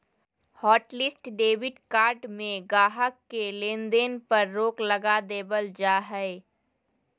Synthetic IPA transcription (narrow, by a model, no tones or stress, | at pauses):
hɔːʈlɪsʈɖeːʋɪɖkaːɾɖmẽɡaːɦəkːelẽːnd̪eːnpɐɾːoːklɐɡad̪eːbəld͡ʒaːɦɛe